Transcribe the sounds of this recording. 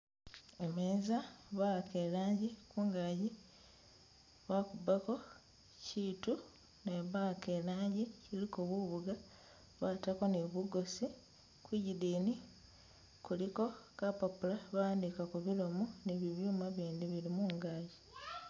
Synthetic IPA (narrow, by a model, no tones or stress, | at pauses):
emeːzaβake̞laːɲɟikuːŋɡaːɟi | βakubako̞ | ciːtu | neβake̞laːɲɟicilikoβuβuɡa | βatako̞neβuɡo̞si | kwiɟidiːni | kuliko̞kapapulaβaːndikakuβilomoniβiβjuːmaβiːndiβiɾimuːŋɡaːɟi